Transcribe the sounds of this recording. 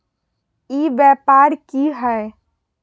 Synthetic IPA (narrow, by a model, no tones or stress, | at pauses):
iːʋjɛpaɾkiɦɛ